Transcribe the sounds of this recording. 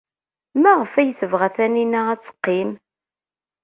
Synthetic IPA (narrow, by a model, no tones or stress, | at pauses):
mæʁəfæjθəvʁæθæninææt͡sːə̥qːim